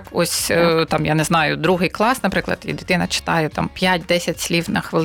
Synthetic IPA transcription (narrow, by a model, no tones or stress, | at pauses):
kɔsʲt̪ɑmjanɛznɑjʊd̪ɾuɦɪjklˠɑsnɐpɾɪklˠɐ̰d̪ḭdʲɪt̪ɪnɐt͡ʃɪ̥t̪ɑjɛt̪ɑ̰mpʲjatʲd̪ɛsʲɐtʲsʲlʲiwnɐxʋɪlˠ